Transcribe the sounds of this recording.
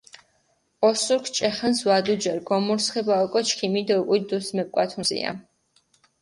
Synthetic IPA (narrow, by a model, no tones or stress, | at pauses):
ɔsuɾkʰt͡ʃʼɛχanswad̪ud͡ʒɛɾɡɔmuɾsχɛbaɔkʼɔt͡ʃʰkʰimid̪ɔkʼud̪usmɛp̚kʼwat̪ʰuzḭa̰